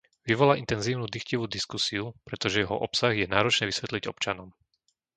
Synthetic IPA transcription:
ʋiʋɔlaʔint̪ɛnziːʊnuːd̪ixciʋud̪iskusiupɾɛt̪ɔʒɛjɛɦɔ̰ʔɔpsaɣjɛnaːɾɔt͡ʃɲɛʋisʋɛt̪liɟɔ̰pt͡ʃanɔm

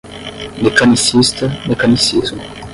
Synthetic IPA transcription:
mekanisist̪amekanisizmu

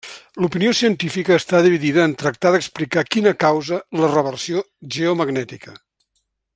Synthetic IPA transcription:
lupiniosiənt̪ifikəːst̪aðiβiðiðəːnt̪ɾək̚t̪aðəksplikakinəkawzələrəβərsio | ʒeuməɡnɛt̪ikə

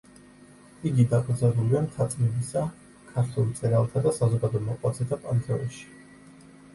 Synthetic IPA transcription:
iɡid̪akʼd̪zɛbuliamt̪ʰat̪sʼmɛbisa | kʰaɾt̪ʰult̪sʼɛɾalˠt̪ʰad̪asazɔɡad̪ɔɛmɔqʼwat̪sʰɛt̪ʰapʼant̪ʰɛɔʃi̥

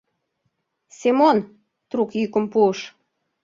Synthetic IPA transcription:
semon | t̪ɾukjykə̆mpuəʃ

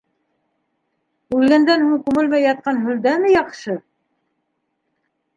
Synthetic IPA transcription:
ʉlɡænd̪ænhuɴkʉmɘlmæjːɑt̪̚qɑnɦɵ̆ld̪æmɘjɑqʃɤ

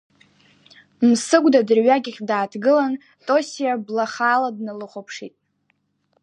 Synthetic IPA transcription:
msɨɡʷdadɨrɥaɡʲɪχʲdaːtʰɡɨlan | tʼo̞sijablaχaːladnalɨχʷopʰʂitʼ

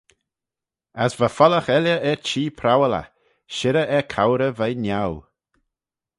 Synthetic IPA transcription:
asvəfɔləxɛljəʔɛɾt͡ʃiːpʰɾawələ̰ | ʃɪɾəʔɛkʰawɾəvajnaw

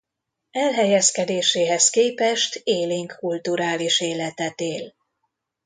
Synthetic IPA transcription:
ɛlɦɛjɛskɛd̪eːʃeːɦɛskeːpɛʃt̪eːliŋkːult̪uɾaːliʃeːlɛt̪ɛt̪eːl

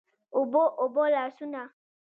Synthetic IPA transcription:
oboʔobolasunã

